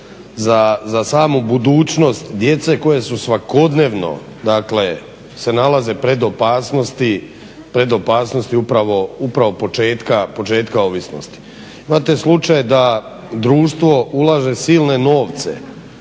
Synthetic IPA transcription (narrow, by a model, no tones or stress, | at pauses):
zazasaːmubud̪uːt͡ʃno̞st̪d̪je̞t̪se̞ko̞jesusʋako̞d̪ne̞ʋno̞̰ | d̪akle̞ | se̞nalaze̞pɾe̞d̪opaːsnost̪i | pɾe̞d̪o̞paːsno̞st̪iupɾaʋo̞upɾaʋo̞po̞t͡ʃe̞ːt̪kapo̞t͡ʃe̞ːt̪kao̞ʋisno̰st̪i̥ | imat̪e̞slut͡ʃajd̪a | d̪ɾuːʃt̪ʋo̞ulˠaʒe̞siːlˠne̞no̞ːʋt̪se̞̰